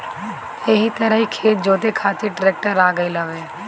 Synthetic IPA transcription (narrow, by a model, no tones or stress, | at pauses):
eɦit̪ɐɾəɦikʰeːt̪̚d͡ʒoːt̪ekʰaːt̪iʈɾeːk̚ʈəɾaːɡəiləʋeː